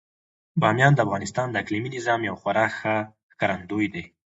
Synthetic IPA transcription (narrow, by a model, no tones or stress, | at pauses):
bɑmjɑnd̪əafɣɑnɪst̪ɑnd̪əakliminɪzɑmjawxwaɾɑxa | kaɾand̪ojd̪e